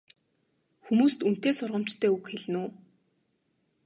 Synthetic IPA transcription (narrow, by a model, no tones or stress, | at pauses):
xumuːst̪un̥t̪eːsʊrʁə̆m̥t͡ɕt̪ʰœːukxeɮnuː